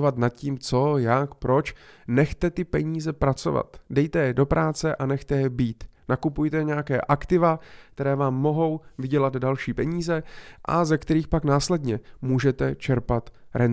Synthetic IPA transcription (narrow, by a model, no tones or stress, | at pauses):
vat̪nat̪̚ciːmt͡so̞jakpɾo̞t͡ʃnɛxt̪ɛt̪ɪpɛɲiːzɛpɾat͡so̞̰va̰t̪dɛjt̪ɛjɛdo̞pɾʔaːt͡sɛʔanɛxt̪ɛjɛbiːt̪nakupujt̪ɛɲɛjakɛːʔakt̪ɪvakt̪ɛɾɛːvaːmːo̞ɦo̞wvɪɟɛlad̪dalʃiːpɛɲiːzɛʔa̰zɛkt̪ɛɾiːxpaknaːslɛdɲɛmuːʒɛt̪ɛt͡ʃɛɾpat̪ɾɛn